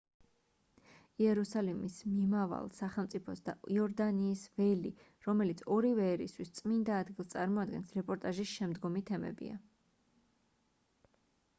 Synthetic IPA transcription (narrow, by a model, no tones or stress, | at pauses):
iɛɾusalimismimava̰lˠsaχɛlˠmt̪sʼipʰɔsd̪a̰iɔɾd̪aniːsvɛlḭ | ɾɔmɛlit̪sʰɔɾivɛːɾist̪ʰwist̪sʼmind̪aːd̪ɡilˠst̪sʼaɾmɔad̪ɡɛnsɾɛpʼɔɾt̪ʼaʒisʃɛmd̪ɡɔmit̪ʰɛmɛ̰bḭa̰